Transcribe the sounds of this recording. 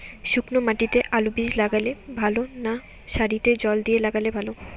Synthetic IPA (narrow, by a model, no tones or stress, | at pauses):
ʃuknomaʈit̪eʔalubid͡ʑlaɡalebʱalona | ʃaɾit̪ed͡ʑɔld̪ijelaɡalebʱalo